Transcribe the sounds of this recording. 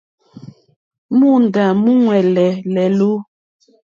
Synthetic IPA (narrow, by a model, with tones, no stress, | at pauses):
mu˦˨n̩˨da˨mu˦ŋwɛ˨lɛ˨lɛ˨lo˦